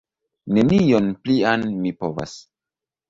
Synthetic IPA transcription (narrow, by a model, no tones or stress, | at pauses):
ne̞nijonplianmipo̞va̰s